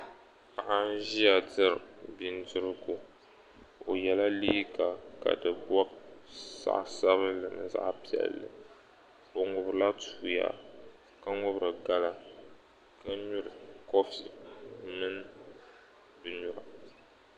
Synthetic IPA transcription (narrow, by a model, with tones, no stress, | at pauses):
ka˨ʔa˦ʒi˦ja˨dɨ˦ɾɨ˨bi˦n˦dɨ˦ɾɨ˦ɡu˨ | o˨jɛ˨la˦liː˦ɡa˨ka̰˨dɨ˨bɔ˦sa̰˦ʔsa˦βɨ˦lɨ˨nɨ˨za̰˦ʔpi˦ɛ̰˨lːɨ̰˨ | o˨ŋʊ˨bɾɨ˨la˦tuː˦ja̰˨ | ka˦ŋʊ˦bɾɨ˨ɡa˦la˦ | ka˦ɲu˦ɾɨ˨kɔ˦fi˨mɨ˦n˦ | bɨ˨ɲu˨ɾa˨